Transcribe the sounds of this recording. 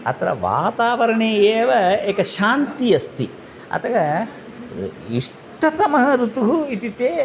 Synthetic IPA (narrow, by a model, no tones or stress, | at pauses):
ɐ̰t̪ɾɐ̰ʋa̰ːt̪aːʋɐɾɐɳeːeːʋɐeːkɐʃaːnt̪ijɐst̪ʰi | ɐ̰t̪ɐɡɐ | iʂ | ʈʰɐt̪ɐmɐɦɐɾut̪uɦuiʈiʈ̪eː